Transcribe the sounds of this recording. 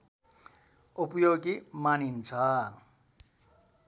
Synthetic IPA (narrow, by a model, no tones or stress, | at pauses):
upjoɡimanint͡sʰʌ